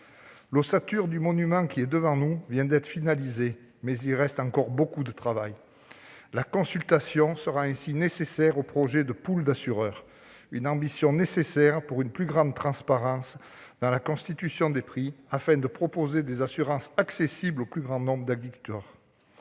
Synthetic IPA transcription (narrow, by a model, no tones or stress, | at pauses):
losat̪yʁd̪ymɔnymɑ̃kʲiɛd̪əvɑ̃nuvjɛ̃d̪ɛt̪χə̥finalize | mɛzilʁɛst̪ɑ̃kɔʁbokud̪ət̪χavaj | lakɔ̃sylt̪asjɔ̃səʁaɛ̃sinesesɛʁopχɔʒed̪əpuld̪asyʁœːʁ | ynɑ̃bisjɔ̃nesesɛʁpuʁynplyɡʁɑ̃d̪t̪χɑ̃spaʁɑ̃s | d̪ɑ̃lakɔ̃st̪it̪ysjɔ̃d̪epχiafɛ̃d̪əpχɔpozed̪ezasyʁɑ̃saksesibloplyɡʁɑ̃nɔ̃bʁəd̪aɡd̪ikyt̪œːʁ